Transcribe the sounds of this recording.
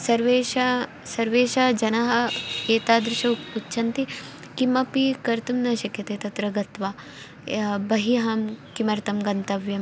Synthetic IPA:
sɐɾʋeːʃa | sɐɾʋeːʃaːd͡ʒɐnɐɦɐ̆eːt̪aːd̪ɾɪʃɐutːʃʰɐnt̪i | kimɐpikɐɾt̪umnaːʃɐkʰjɐt̪eːt̪ɐt̪ɾɐɡɐt̪ʋaː | bɐɦiɦaːmkimɐɾt̪ɐmɡɐnt̪ɐʋjɐm

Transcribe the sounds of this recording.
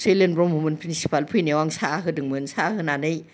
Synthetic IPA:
selenbɾɔmumɯnpʰɾinsi̥pʰalpʰɯjniwaŋsaaɦɯdɯŋmɯnsahɯnanɯj

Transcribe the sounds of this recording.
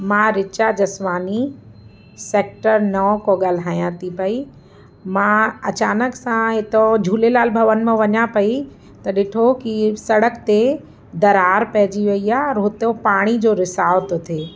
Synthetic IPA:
mãːɾɪt͡ɕad͡ʑɐsʋaːni | seːk̚ʈəɾnɔkoɠaːl̤aːjãt̪ʰipɐi | mãɐt͡ɕaːnəksãɪt̪od͡ʑʱuːlelaːlbʱɐʋən̆mẽʋɐɲapɐi | t̪ɐɗɪʈʰokisɐɽəkt̪e | d̪ɐɾaːɾpɛɦd͡ʑiʋɐiaɾɦot̪opaːɽ̃id͡ʑoːɾɪsaːʋt̪ot̪ʰeː

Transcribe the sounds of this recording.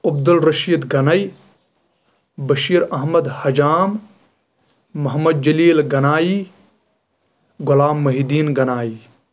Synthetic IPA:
ɐbd̪ɐlɾɐʃiːd̪ɡɐnɐj | bɐʃiːɾɐɦmɐd̪hɐd͡ʒaːm | ɐɦmɐd̪̚d͡ʒɐliːlɡɐnaːiː | ɡʊlaːmːɐɦid̪iːnɡɐnaːiː

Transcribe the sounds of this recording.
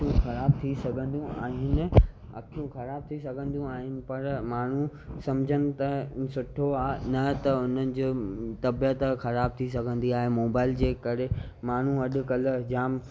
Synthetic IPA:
ũxɐɾaːb̚t̪ʰisɐɡʱə̃nd̪ũa̰ːɦɪnɪ̆ | ɐ̰kʰjũxɐɾaːb̚t̪ʰisɐɡʱə̃nd̪ũaːɦɪnɪ̆pɐɾmaːɳ̤ũ | sɐmd͡ʑʱənɪ̆t̪ɐsʊʈʰoanɐt̪ɐʊn̤ənɪ̆d͡ʑoːt̪ɐbjət̪xɐɾaːb̚t̪ʰisɐɡʱə̃nd̪iaːɦemoːbaːɪld͡ʑeːkɐɾe | maːɳ̤ũɐɗʊ̆kɐləd͡ʑaːm

